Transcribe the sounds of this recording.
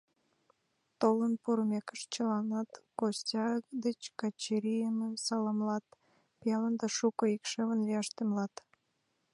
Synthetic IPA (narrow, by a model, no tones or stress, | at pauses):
t̪olənpuɾmekəʃt͡ɕəlɑnɑt̪kostʲɑd̪et͡ɕkɑt͡ɕiɾijəməmsɑlɑmlɑt̪ | pijɑlənd̪ɑʃukəikʃəβənlijɑʃt̪emlɑt̪